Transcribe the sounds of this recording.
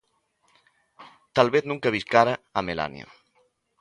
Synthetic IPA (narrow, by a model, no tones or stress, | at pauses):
t̪alβeθnũŋkaβiskaɾaːmela̰nj̰o̰